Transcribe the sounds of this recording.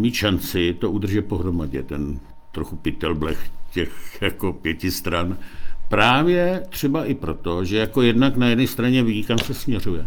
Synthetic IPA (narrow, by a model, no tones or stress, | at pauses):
miːt̪ʃant͡sɪt̪o̞ud̪r̩ʒɛt̪̚po̞ɦɾo̞maɟɛ̰t̪ɛn | t̪ɾoxupɪt̪ɛlblɛxcɛxjakopjɛcɪst̪ɾanpɾaːvjɛt̪r̝̥ɛbaʔɪpɾot̪o̞ʒɛjako̞jɛdnaknajɛdnɛst̪ɾaɲɛvikamsɛsmɲɛr̝ujɛ